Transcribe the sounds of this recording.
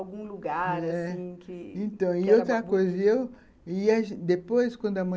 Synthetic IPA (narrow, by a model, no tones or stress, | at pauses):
wɡũluɡaɾasɛĩkɪẽnt̪ɐ̃w̃iot̪ɾɐkkojzɐiew | iaʒd̪epojskwɐ̃nd̪ʊamɐ̃